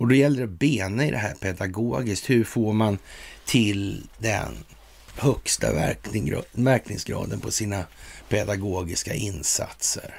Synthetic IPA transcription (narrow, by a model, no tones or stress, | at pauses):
ɔd̪ɔjɛlːəɾɛbeːnəɪd̪ɛɦæːɾpʰɛd̪aɡoːɡɪsk̚t̪hɵɾfoːɾmant̪ʰɪld̪ɛ̰n | hœkst̪a̰ | mæɾkʰnɪŋsɡɾɑ̰ːd̪ənpʰɔsiːnapʰɛd̪aɡoːɡɪska̰ʔɪnsa̰t̪sə̰ɾ